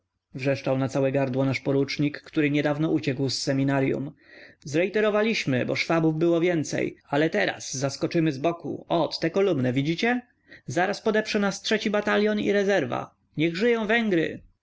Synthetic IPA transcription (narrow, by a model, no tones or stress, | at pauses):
vʐɛʂt͡ʂawnat̪sawɛɡaɾd̪wɔnaʂpɔɾut͡ʂɲikːt̪uɾɘɲɛd̪avnɔʔut͡ɕɛkwsːɛmʲinaɾjṵm | zɾɛit̪ɛɾɔvalʲiɕmɘ̰bɔ̰ʂfabuvbɘwɔvʲjɛnt̪sɛ̰jalɛt̪ɛɾa̰sːaskɔt͡ʂɘmɘzbɔkṵɔt̪ːɛkɔlumnɛvʲid͡ʑit͡ɕɛ | zaɾaspɔd̪ɛpʂɛnastʂɛt͡ɕibat̪alʲjɔnḭɾɛzɛɾva̰ | ɲɛɣʐɘjɔ̃w̃vɛŋɡɾɘ̰